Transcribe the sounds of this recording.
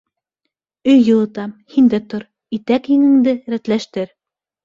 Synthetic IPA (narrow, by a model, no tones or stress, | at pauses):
ɵjːɤ̆lˠɤ̆t̪ɑmhind̪æt̪oɾ | it̪ækhɘ̆ŋɘ̆ŋd̪ɘɾæt̪læʃt̪ɘɾ